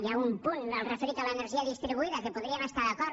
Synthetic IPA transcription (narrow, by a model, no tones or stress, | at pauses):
jaumpunalrefeɾit̪alaeneɾʒiaðist̪ɾiβuiðakepoðɾiamest̪aɾðakɔɾ